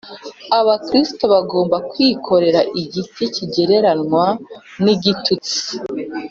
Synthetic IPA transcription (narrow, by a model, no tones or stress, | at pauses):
aβakɾisto̞βaɡo̞ːmbakwiːkʰo̞ɾe̞ɾaʔiɟitʰeciɟe̞ɾe̞ɾanŋwa | niɟitʰut͡si̥